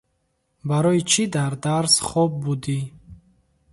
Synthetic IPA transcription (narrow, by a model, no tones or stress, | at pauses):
baɾɔit͡ʃʰid̪aɾd̪aɾsχɔb̚bud̪i